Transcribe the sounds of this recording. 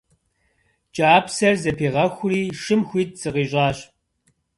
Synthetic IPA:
t͡ʃʼaːpsɐrzɐpʰeːʁɐxʷʊriːʂɨmxʷiːt̚z̥ɨqiːɕʼaːɕʼ

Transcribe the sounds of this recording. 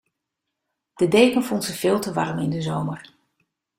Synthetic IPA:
d̥ədejkənvɔntzəv̥ɪːlˠtəʋɑrmɪndəzowmər

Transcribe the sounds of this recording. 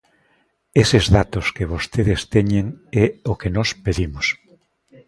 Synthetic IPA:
esezðat̪oskeβ̞ost̪eðest̪eɲeŋɛokenɔspeðimos

